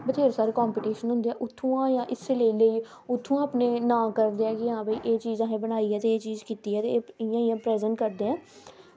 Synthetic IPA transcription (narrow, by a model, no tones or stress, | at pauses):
bət͡ʃeːɾsaːɾekɔːmpiːʈiːʃənɦʊ̃nd̪eːɛːʔʊt̪ʰːũːãːjãːʔɪseləiːləiː | ʊt̪ʰːũːãːpneːnãːkəɾd̪eːɛːkɪɦãːbiːʔeːt͡ʃiːzãːɦẽːbənaːiːɛːt̪eːeːt͡ʃiːzkiːt̪iːɛːt̪eːɪjãːɪjãːpɾɛːzəɳʈkəɾd̪eːɛ̃ː